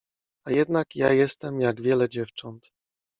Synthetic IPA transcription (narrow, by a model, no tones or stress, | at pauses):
ajɛd̪nakjajɛst̪ɛmjaɡvʲjɛlɛd͡ʑɛft͡ʂɔnt̪